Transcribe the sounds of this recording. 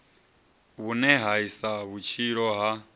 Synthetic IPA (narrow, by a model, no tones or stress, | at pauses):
βunɛɦaisaβut͡ʃʰiɺɔɦa